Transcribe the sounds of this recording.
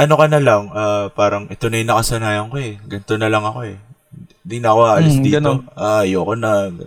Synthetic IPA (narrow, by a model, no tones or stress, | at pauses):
ʔɐno̞kɐnɐlɐŋaːpaːɾɐŋʔɛt̪onɐjʊnɐkɐsɐnaːjɐŋko̞ɛɡɐnt̪o̞nɐlɐŋɐko̞ɛ | d̪ɪnɐɐko̞ʔaʔɐlisd̪iːɡɐt̪oʔaːjokonɐɡ